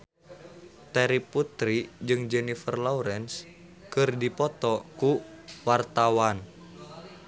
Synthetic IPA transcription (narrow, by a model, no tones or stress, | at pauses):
t̪ɛɾiput̪ɾid͡ʒɨŋd͡ʒɛnifərlɔuɾɛns | kɨrdipɔt̪ɔkuwart̪awan